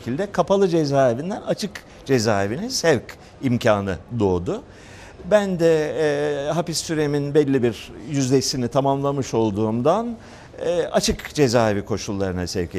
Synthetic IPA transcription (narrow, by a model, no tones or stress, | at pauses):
cʰilʲd̪ɛkʰapʰalˠɯd͡ʒezaːevind̪ɛnat͡ʃʰɯk | d͡ʒe̞zaːevinisɛvc | imcʰaːnɯ̰d̪o̞ːd̪ʊ | bænd̪ɛ | ɦapist̪yɾeminbɛlʲːibiɾjyzd̪esinit̪ʰamamlˠamɯʃo̞lˠd̪uːmd̪anː | at͡ʃʰɯkd͡ʒe̞zaːevikʰo̞ʃulˠːaɾɯnasɛvcʰ